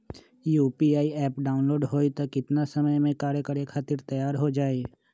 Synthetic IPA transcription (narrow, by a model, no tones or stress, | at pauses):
juːpiaːiɛːpɖaːʊnloːɖɦoːit̪ɐkɪt̪nasɐməjmẽkaːɾjəkəɾekʰaːt̪ɪɾt̪ɐjaːɾɦod͡ʒaːe